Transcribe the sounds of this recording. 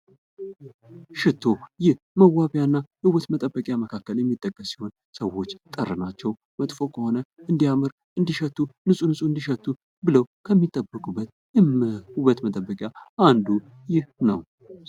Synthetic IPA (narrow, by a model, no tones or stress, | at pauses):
ʃɪt̪ʰːo̞jɪh | məwaβjanːajəɨwət̪mət̪ʼəbːəkʼjaməkʰakːəljɛmːit̪ʼːəkʼːəsːiho̞n | səwːo̞t͡ʃːt̪ʼərːɨnat͡ʃːɛw | mət̪ʼfo̞kʰəho̞nəɨnd̪ijamɨɾ | ʔɨnd̪iʃət̪ːunɨsʼunɨsʼuɨnd̪iʃət̪ːu | bɨləwkʰəmːit̪ʼːəbːəkʼubːət̪ | huβət̪mət̪ʼəbːəkʼjaʔand̪u | jɪhnəw